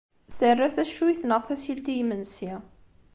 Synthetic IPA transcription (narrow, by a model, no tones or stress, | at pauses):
θərːaθæʃuiθnəʁθæsilt̪ijmənsi